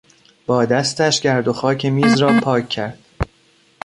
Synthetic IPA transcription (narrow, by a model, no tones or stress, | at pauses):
b̥ɒːd̪æst̪æʃɟæɾd̪o̞xɒːcʰe̞miːzrɒːpʰɒːcʰːæɾd̪̥